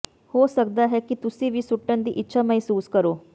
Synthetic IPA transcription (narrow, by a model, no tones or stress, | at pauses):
hoːsɐk̚d̪aɦekit̪usiʋisuʈːɐnd̪iʔitːɕʰɐmɐɦsuːskɐɾoː